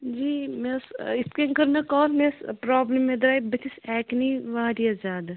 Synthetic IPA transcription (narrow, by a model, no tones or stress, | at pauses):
d͡ʒiːmesɪskeŋkɐɾnɐkɔːɾmespɾɔːbləmːed̪ɾaːjbɐt̪ɪsɛːkniʋaːɾiɐd͡ʒaːd̪